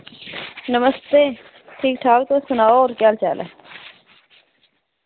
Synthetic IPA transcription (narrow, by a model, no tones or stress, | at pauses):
nɐməst̪eː | ʈʰiːk̚ʈʰaːk̚t̪osɐnaːoːɾkjaːlt͡ɕa̰ːlḛ